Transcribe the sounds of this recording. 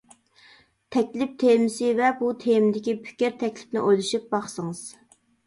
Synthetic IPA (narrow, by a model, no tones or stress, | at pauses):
t̪ʰɛkʲlɪp̚t̪ʰemɪsɪvɛbut̪ʰemd̪ɪkʲipʰɪ̥kʲɪɾt̪ʰɛkʲlɪ̥p̚nɪ̰ʔojlˠuʃip̚bɑχsəŋɨz̥